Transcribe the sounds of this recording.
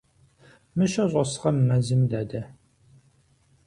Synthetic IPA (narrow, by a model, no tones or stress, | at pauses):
mɨʃɐɕʼɐsɨ̥ʁɐmːɐzɨmd̪aːd̪ɐ